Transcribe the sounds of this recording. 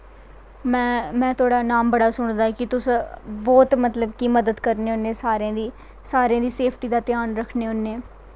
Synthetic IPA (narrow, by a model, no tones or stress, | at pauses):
mɛ̃ːmɛ̃ːt̪ʰʊaːɽaːnaːmbəɽaːsʊɳ̃d̪aːɛkɪt̪ʊsboːt̪mət̪ləb̚kiːməd̪əd̪kəɾneːʊnːeːsaːɾẽːd̪iː | saːɾejãːd̪iːseːpʰʈiːd̪aːt̪ɪjaːnɾəkʰneːʊnːeː